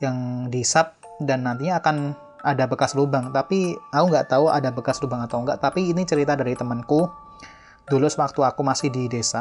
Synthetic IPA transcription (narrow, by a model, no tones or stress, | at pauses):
jaŋdisap̚ | danːant̪̬iɲaːkan | adabəkaslubaŋt̪apiakuŋɡaʔt̪aua̰dabəkaslubaŋat̪auŋɡaʔt̪apiːnit͡ʃəɾit̪adaɾit̪əmənku | dulusəwak̚t̪uakumasɪhdidesa